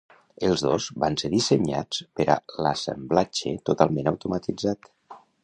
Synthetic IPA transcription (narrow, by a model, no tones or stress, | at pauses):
əlˠzðozbanseðiseɲa̰t͡spəɾa̰lasə̰mblat͡ʃḛt̪ut̪alˠmẽnawt̪umat̪id͡zat̪